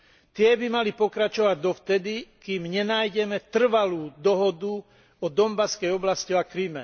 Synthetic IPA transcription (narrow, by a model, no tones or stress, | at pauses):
t̪ɪɛbimalipɔkɾat͡ʃɔʋaɟ̚d̪ɔft̪ɛd̪ikiːmɲɛnaːjɟɛmɛt̪r̩ʋaluːd̪ɔɦɔd̪u | ɔd̪ɔmbaskɛjɔblasciakɾimɛ̰